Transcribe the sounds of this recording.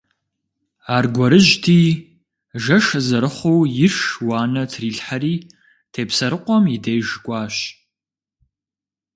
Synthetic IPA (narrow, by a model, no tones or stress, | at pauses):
aːrɡʷɔɾɨʒtʰiː | ʒɐʂɐzɐɾɨχʷowjɪʂwaːnɐtʰriːɬħaɾiː | tʰeːpsɐɾɨqʷɔmjidejʒkʷʼaːɕ